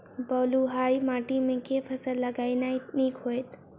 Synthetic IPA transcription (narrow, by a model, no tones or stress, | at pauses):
bɔːluɦaːjmaːʈimẽkepʰɐsəlːɐɡaːinanikɦoːjt̪